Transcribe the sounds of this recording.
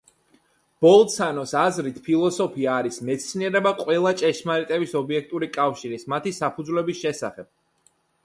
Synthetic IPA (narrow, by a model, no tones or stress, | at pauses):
b̥ɔlˠt̪sanɔsazɾit̪ʰpʰilˠɔsɔpʰiaːɾismɛt̪sʰniɛɾɛbaqʼwɛlˠat͡ʃʼɛʃmaɾit̪ʼɛbisɔbiɛk̚ʰt̪ʼuɾikʼafʃiɾismat̪ʰisapʰud̪zvlɛbisʃɛsa̰χɛb̥̚